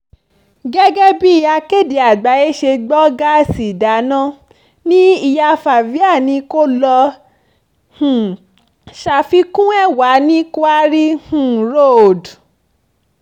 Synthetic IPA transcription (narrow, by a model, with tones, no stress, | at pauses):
ɡɛ˦ɡɛ˦bi˦i˧ja˧ke˦˨di˧a˨ɡ͡ba˨˦je˦ʃe˧ɡ͡bɔ˦ɡa˦˨si˨da˨˦nã˦ | nĩ˦i˧ja˧fa˨vi˨˦a˦˨nĩ˧˦ko˦lɔ˧ | hũ˨ | ʃa˧fi˦kũ˦ɛ˦˨wa˨˦nĩ˦ko˦a˦ɾi˦hũ˨ɾo˦˨d